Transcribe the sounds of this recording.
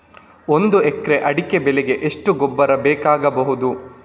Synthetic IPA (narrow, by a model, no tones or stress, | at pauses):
ond̪uekɾeʔɐɽike̞bɛleɡe̞ʔeʂʈuɡobːɐɾɐbɛːkaːɡɐbɐɦud̪u